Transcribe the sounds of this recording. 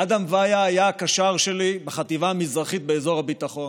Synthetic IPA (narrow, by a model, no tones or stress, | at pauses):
ad̪amvajaːjaːkaʃaʁʃe̞libeχat̪ivaːmizʁaχit̪̚beezo̞ʁhabit̪aχo̞n